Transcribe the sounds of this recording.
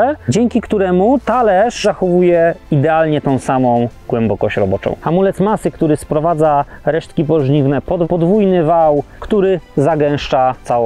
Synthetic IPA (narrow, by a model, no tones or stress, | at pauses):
ɛd͡ʑɛŋkʲikt̪uɾɛmut̪alɛʂzaxɔvujɛid̪ɛalɲɛt̪ɔ̃w̃samɔ̃w̃ɡwɛmbɔkɔɕt͡ɕɾɔbɔt͡ʂɔ̰̃w̃xamulɛt̪masɘkt̪uɾɘspɾɔvad̪zaɾɛʂt̪kʲip̬ɔʐɲivnɛpɔd̪pɔd̪vujnɘvaw | kt̪uɾɘzaɡɛ̃w̃ʂt͡ʂat̪sawɔ